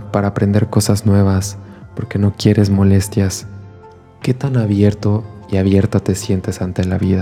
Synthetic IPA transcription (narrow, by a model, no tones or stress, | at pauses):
paɾaːpɾe̞nd̪e̞ɾko̞saznwe̞β̞aspo̞ɾke̞no̞kje̞ɾe̞zmo̞le̞st̪jas | ke̞t̪anaβje̞ɾt̪o̞iaβje̞ɾt̪ot̪e̞sje̞nt̪e̞sant̪e̞laβiða